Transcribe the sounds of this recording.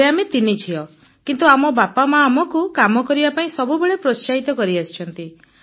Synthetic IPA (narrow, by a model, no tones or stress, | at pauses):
eamet̪init͡ʃʰiɔ | kint̪uamɔbapamaːmɔkukamɔkɔɾibapaĩsɔbubeɭepɾost͡ʃaɦit̪ɔkɔɾiasi̥t͡ʃʰɔnt̪i